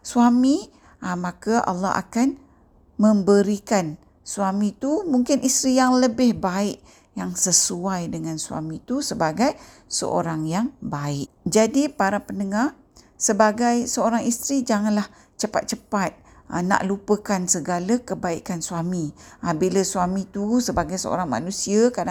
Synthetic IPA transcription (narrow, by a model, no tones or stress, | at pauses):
suwami | amãkəʔa̰lːɑ̰ɦa̰kan | məmbəɾikan | suamĩt̪umuŋkɪnʔist̪ɾijaŋləbɪhbaɪʔ | jaŋsəsuajdəŋansua̰mit̪usəbaɡaj | sə̰ʔo̰ɾaŋjaŋbaɪʔ | d͡ʒadipaɾapəndəŋar | səbaɡajsəoɾaŋist̪ɾid͡ʒaŋanlah | t͡ʃəpa̰t̪̚t͡ʃəpat̪̚ | əna̰ʔlupəkansəɡalakəbaikansuamiʔabiləsuamĩt̪usəbaɡajsə̰o̰ɾaŋma̰nũsiakada